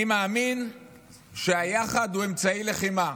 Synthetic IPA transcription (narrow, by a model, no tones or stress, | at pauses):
imaːmin | ʃeajaχad̪hue̞mt͡saileχima